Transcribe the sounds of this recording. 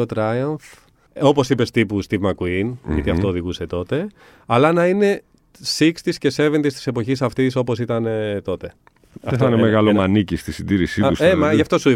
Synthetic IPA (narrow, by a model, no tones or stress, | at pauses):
ot̪ɾɐjɐɱf | o̞po̞sipe̞st̪ipust̪ivmɐkuinjɐ̰t̪iɐft̪oːðiɣuse̞t̪o̞t̪e̞ | ɐlɐnɐine̞ | sikst̪isce̞se̞ve̞nd̪ist̪i̥se̞po̞çisɐft̪iso̞po̞sit̪ɐnet̪o̞t̪e̞ | ɐftt̪ɐnemeɣɐlomɐnicist̪isind̪iɾisiusemɐʝɐft̪o̞sui